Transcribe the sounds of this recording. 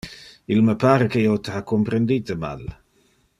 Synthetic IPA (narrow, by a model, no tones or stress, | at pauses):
ilməpaːɾekejot̪əakːompɾend̪iːt̪əma̰l